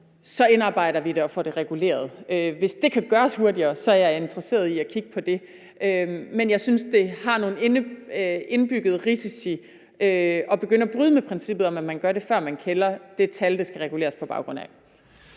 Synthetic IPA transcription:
sɒ̽e̝nɑ̈ːb̥ɑ̈ɪ̰ɾɐʋid̥e̝ɒ̽fɒɾ̥e̝ʁɛɡ̥ule̝̰ːɐð̞̩ˠøʋe̝sd̥e̝kʰæɡ̥ɶːɐshuɐdiɐːsɒ̽æɐjɑ̈ɪe̝nd̥ʁɐse̝̰ːɐðˠiækʰiɡ̥əpʰɒ̽d̥e̝ | ʔømenjɑ̈ɪsynsd̥e̝hɑ̈no̝ːn̩en | e̝nb̥yɡ̥ð̞̩ˠʁisisi | ʔøɒ̽b̥e̝ɡ̥øn̰ɐɒb̥ʁyːð̞ˠəmepʰʁɛnsib̥ð̩ˠɒ̽mæmænɡ̥ɶɐɾe̝fɶɐ̰mænkʰelɐd̥e̝t͡sʰæld̥esɡ̥æʁɛɡ̥ule̝ːɐspʰɒ̽b̥ɑ̈ʊɡ̥ʁɔ̽n̰æ

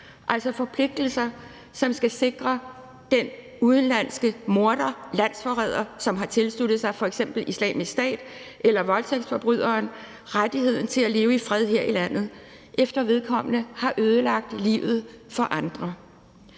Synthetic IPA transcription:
ʔæl̰sɒfɒ̽pʰle̝ɡ̥̚d̥l̩sɐ | sɒ̽msɡ̥æse̝ɡ̥ʁɐ | d̥en | uðˠn̩læn̰sɡ̥əmo̝ɐd̥ɐlæn̰sfɒʁɛːð̞̰ˠɐsɒ̽mɦɑ̈t͡sʰe̝lslud̥ð̞̩ˠsɑ̈ɪfɒ̽eɡ̥sem̰b̥l̩islɛ̰ːmisd̥ɛ̰ːd̥ | ʔelɐʋɒ̽lt͡sʰeɡ̥sd̥fɒ̽b̥ʁyð̰ˠɐːn | ʁad̥ihe̝ð̞̰ˠn̩t͡sʰe̝læle̝ːʊəifʁɛðˠɦe̝ɐ̰ilæn̰ð̞̩ˠ | ʔefd̥ɐʋe̝ð̞ˠkʰɒ̽m̰ənəhɑ̈ʔøːð̞ˠəlɑ̈ɡ̥̚d̥lḭʊð̩ˠfɒ̽ʔɑ̈nd̥ʁɐ

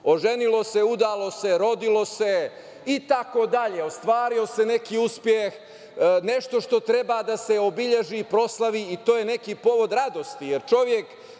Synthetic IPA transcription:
o̞ʒenilo̞se̞ud̪aːlˠo̞se̞ɾo̞d̪ilo̞se̞ | it̪akod̪aʎeost̪ʋaːɾio̞se̞ne̞kiːuspjex | neʃt̪o̞ʃt̪o̞t̪ɾe̞baːd̪ase̞obiʎe̞ʒiːpɾo̞slˠaʋiit̪o̞ːje̞ne̞kiːpo̞ʋo̞d̪ɾad̪o̞st̪ijeɾt͡ʃo̞ʋje̞k

